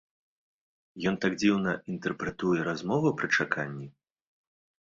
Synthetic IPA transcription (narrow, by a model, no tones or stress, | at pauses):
jɔnt̪aɡd͡zʲiwnɐint̪ɛrpɾɛt̪ujɛɾazmɔvɐpɾɨt͡ʂakʰanʲːi